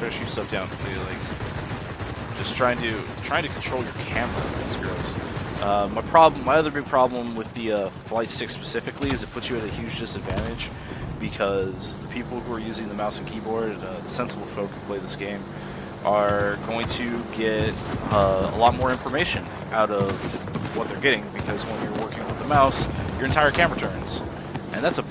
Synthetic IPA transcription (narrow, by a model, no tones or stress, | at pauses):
fɛʃə˞sɛlˠfd̥ãʊ̃nɨlilaɪk̚ | d̥ʒ̥ʌstʰɹ̥aɪɪ̃ŋtʰɨtʰɹ̥aɪɪ̃ŋtʰɨkʰn̩tʰɹ̥oʊlˠjə˞kʰæ̃mə˞ə̰̃nðizɡɹɪlˠz̥ʔʌmaɪpʰɹ̥ɑblmaɪʌðə˞bɪɡ̚pʰɹ̥ɑblə̃mwɪðɨʌflaɪtstɪkspɨ̥sɪfɨkliɨzɨt̚pʰʊt͡ʃsɨɨɾɨhjʉd͡ʒdɪsɨdvæ̃ɾ̃ɨ̥d͡ʒ | b̥ɨkʰʌzðəpʰipl̩ˠhuə˞jʉzɪ̃ŋðəmaʊsn̩kʰibɔɹdʌðəsɛ̃nsəbl̩ˠfoʊk̚tʰə̥pʰl̥eɪðɪsɡ̥ẽɪ̃m | ʔə˞ɡoʊɪ̃ŋtʰɨɡɛɾʌə̰lɔt̚mɔɹɪ̃ɱfə˞meɪʃɨ̃n | ʔaʊɾʌv̥wʌt̪̚ðə˞ɡɛɾɪ̃ŋbɨkʰʌzwə̃njə˞wɜ˞kɪ̃ŋwɨðəmaʊsjə˞ɨ̃ntʰaɪə˞kʰæ̃mə˞ə˞tʰɜ̃˞nz̥ | ʔɨ̃nðætsə